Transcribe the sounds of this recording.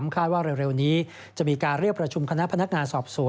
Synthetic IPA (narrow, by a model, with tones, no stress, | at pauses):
mkʰaː˥˩t̪̚waː˥˩ɾe˧wɾe˧wniː˦˥ | t͡ɕa˨˩miː˧kaː˧nɾi˥˩əkpɾa˧t͡ɕʰu˧mkʰa˧na˦˥pʰa˧na˦˥k̚ŋaː˧nsɔː˨˩p̚su˨˩˦